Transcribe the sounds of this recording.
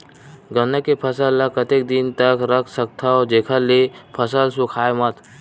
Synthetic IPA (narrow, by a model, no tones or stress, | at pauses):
ɡənːəkːepʰəsəlːəkət̪ek̚d̪ɪnt̪əkɾəkʰsək̚t̪ʰaɔd͡ʒeːkʰəlːepʰəsəlsukʰaːjmət̪